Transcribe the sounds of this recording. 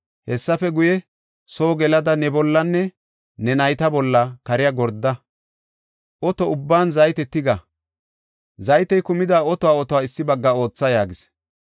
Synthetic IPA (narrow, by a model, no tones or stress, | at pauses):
hɛsːɐfɛɡʊjɛ | so̞ːɡɛlɐd̪ɐnɛbɔlːɐnːɛ | nɛnɐjt̪ɐbɔlːɐkɐɾɪjaɡɔɾd̪ːɐ | ʔɔt̪ɔʊbːaːnzɐjt̪ɛt̪ːɪɡɐ | zɐjt̪ɛjkʊmɪd̪aːɔt̪ɔwaːɔt̪ɔwaːɪsːɪbɐɡːɐo̞ːt͡sːɐjaːɡɪs